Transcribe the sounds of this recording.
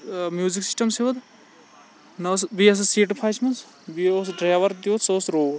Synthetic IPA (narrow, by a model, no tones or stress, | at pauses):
mjuːziksi̥sʈɐmseʋɐd̪ | nɐsʋiɐs̬seːʈpʰaːt͡ʃmɐns | biosɖɾaːʋɐɾd̪it̪sɐsɾoː